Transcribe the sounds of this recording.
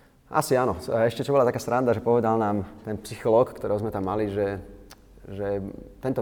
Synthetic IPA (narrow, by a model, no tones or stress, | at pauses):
a̰sianɔɛʃcɛt͡ʃɔbɔlat̪akaːsɾand̪aʒɛpɔʋɛd̪alnaːmt̪ɛnpsixɔlɔːkkːt̪ɔɾɛːɦɔzmɛt̪amːaliʒɛ | ʒɛt̪ɛnt̪ɔ